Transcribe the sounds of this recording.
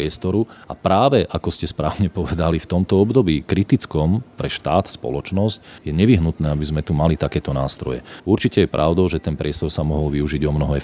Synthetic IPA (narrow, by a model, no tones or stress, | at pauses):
ɛst̪ɔɾua̰pɾaːʋɛʔakɔscɛspɾaːʊɲɛpɔʋɛd̪alift̪ɔmt̪ɔɔbd̪ɔbiːkɾit̪it͡skɔmpɾɛʃt̪aːt̪spɔ̰lɔt͡ʃnɔscjɛɲɛʋiɦnut̪nɛːabizmɛt̪umalit̪akɛːt̪ɔnaːst̪ɾɔ̰jɛ̰uɾt͡ʃicɛjɛpɾʔa̰ʊd̪ɔʊʒɛt̪ɛnpɾɪɛst̪ɔɾsamɔɦɔlʋiuʒiɟɔmnɔɦɛ